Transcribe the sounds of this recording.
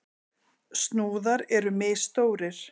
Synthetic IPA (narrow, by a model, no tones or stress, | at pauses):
st̪nuːðaɾɛɾʏmɛ̥ːst̪oːwɾɪɾ̥